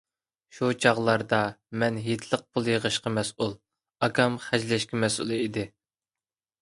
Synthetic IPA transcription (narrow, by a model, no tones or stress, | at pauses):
ʃut͡ʃʰɑʁlˠɑɾd̪ɑmɛnɦet̪ʰlˠəq̚pʰolˠjəʁəʃqɑmɛsulˠ | ɑkʲɑmχæd͡ʒlɛʃkʲɪmɛsṵlˠɨid̪ɪ